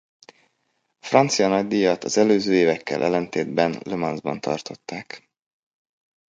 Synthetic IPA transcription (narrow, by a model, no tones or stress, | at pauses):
ɒfrɒnt̪sijɒnɒɟd̪ijɒt̪ɒzɛløːzøːeːvɛkːɛ̰lʔɛ̰lɛnt̪eːd̪bɛnlømɒnzbɒ̰nt̪ʰɒ̰rt̪o̞t̪ːaːk